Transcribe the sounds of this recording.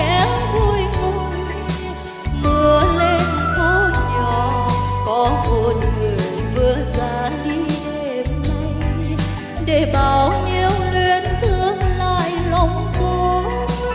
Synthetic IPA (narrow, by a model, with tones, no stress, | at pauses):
ɛ˨˦mvu˧˩jko˧˩j | mɨ˨˧˩əle˧nt̪ʰo˧˦ɲɔ˧˨˩kɔ˨˦mo˨˩t̚ŋɨ˨˩əjvɨ˨˧˦əzaː˨˦ɗi˧he˧˩mə˧ | ɗe˧˩ɓaː˨˩wɲi˧əwlwe˧˩ənt̪ʰɨ˧əŋlaː˧˨jlɔ˧wŋ͡mko˧˦